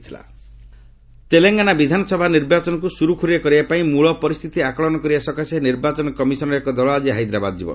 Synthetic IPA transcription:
t̪ʰila̰ | t̪eleŋɡanabid̪ʱanɔsɔbʱaniɾbat͡ʃɔnɔk̬usuɾukʰuɾijekɔɾibapaĩmuɭɔpɔɾist̪ʰit̪iakɔɭɔnɔkɔɾibasɔkaseniɾbat͡ʃɔnɔkɔmisɔnɔɾeekɔd̪ɔɭɔad͡ʒiɦajd̪ɾabad̪ɔd͡ʒibɔ̰n

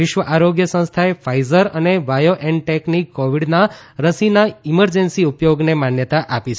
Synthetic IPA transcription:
ʋɪʃʋəʔaɾoɡjəsə̃st̪ʰaefajzəɾəneʋajoʔeɳɖʈeknikːɔʋiɽna | ɾəsinaiməɾd͡ʒənsiupjoɡnemanjət̪aʔapit͡ʃʰ

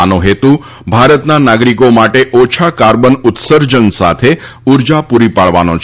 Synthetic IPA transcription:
anoɦet̪u | bʱaɾət̪nanaɡɾikomaʈeʔɔt͡ʃʰakaɾbənut̪səɾd͡ʒənsa̰t̪ʰe | uɾd͡ʒapuɾipaɭʋa̰no̰t͡ʃʰ

